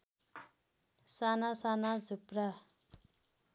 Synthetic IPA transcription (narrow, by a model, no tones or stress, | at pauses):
sanasanad͡zʱupra